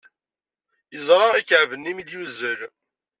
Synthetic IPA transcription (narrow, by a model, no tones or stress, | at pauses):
jəzˤɾˤɑikəʕvənːimid̪juzːəl